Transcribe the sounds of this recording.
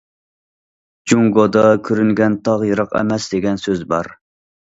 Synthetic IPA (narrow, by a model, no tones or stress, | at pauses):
d͡ʒuŋɡod̪ɑkʲʰøɾyŋɡʲɛnt̪ʰɑʁjɨɾɑqɛ̰mɛsd̪eɡʲɛnsøzbɑ̰ɾ